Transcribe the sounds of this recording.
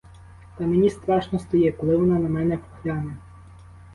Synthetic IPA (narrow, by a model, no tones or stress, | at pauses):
t̪ɐmenʲist̪ɾɑʃnɔst̪ɔjɛplˠɪʋɐnɐnɐmɛnɛpxlʲɑne